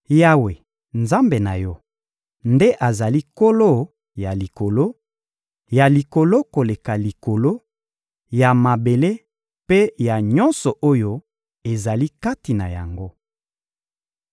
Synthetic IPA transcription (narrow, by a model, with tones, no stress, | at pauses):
ja˦we˨ | nza˦mbe˨na˨jɔ˦ | nde˦ʔa˨za˨li˦ko˦lo˦ | ja˨li˨ko˨lo˦ | ja˨li˨ko˨lo˦ko˨le˨ka˨li˨ko˨lo˦ | ja˨ma˨be˨le˦ | pe˦ja˨ɲɔ˦nsɔ˨ʔo˦jo˦ | e˨za˨li˦ka˦ti˨na̰˨ja̰˨ŋɡo˦